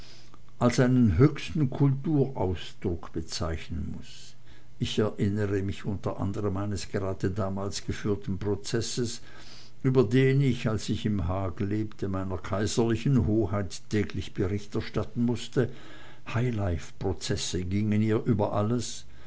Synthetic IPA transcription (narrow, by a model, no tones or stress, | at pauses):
ʔalsʔaɪnənɦøːçstn̩kʰʊltuːɐʔaʊsd̥ʁʊkb̥ət͡sa̰ɪçnənmʊs | ʔɪçɛɐʔɪnəʁəmɪçʔʊntɐʔa̰ndəʁəmaɪnəsɡ̥əʁaːdədaːmaːlsɡ̥əfyːɐtn̩pʁ̥ot͡sɛsəs | ʔyːbɐdeːnɪçalsɪçɪmɦaːɡ̩leːptʰəmaɪnɐkʰaɪzɐlɪçn̩ɦoːhaɪtʰː | ɛːklɪçb̥əʁɪçtɛɐʃtatn̩mʊstə | haɪlaɪfpʁ̥ot͡sɛsəɡɪŋəniːɐʔyːbɐʔaləs